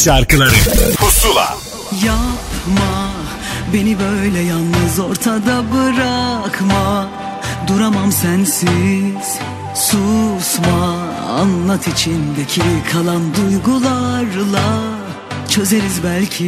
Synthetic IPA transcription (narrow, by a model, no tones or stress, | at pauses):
ʃaɾkɯlˠaɾɯhusulˠa̰ | japma | be̞nibøjlʲɛjalˠnɯzo̞ɾt̪ʰad̪abɯɾakʰma | d̪uɾamamsænsiz̥ | susma̰ː | nlˠat̪ʰit͡ʃʰind̪ecʰikʰalˠand̪ujɡulˠaɾlˠa | t͡ʃʰø̞zeɾizbælʲcʰi